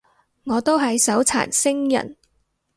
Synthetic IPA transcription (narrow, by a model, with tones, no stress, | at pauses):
ŋɔː˨˧t̪o˥wɦɐ˨jsɐ˨˥wt͡sʰa̰ː˨˩nsɪ˥ŋjɐ̰˨˩n